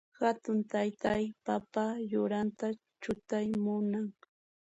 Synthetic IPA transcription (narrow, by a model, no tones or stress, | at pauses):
hat̪ʊnt̪ajt̪ajpapajʊɾant̪a | t͡ʃʊt̪ajmʊnaŋ